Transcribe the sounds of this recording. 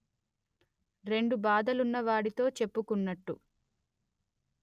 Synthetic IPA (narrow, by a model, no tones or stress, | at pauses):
ɾe̞ɳɖubaːd̪ɐlunːɐʋaːɽit̪o̞ːt͡ʃe̞pːukunːɐʈːu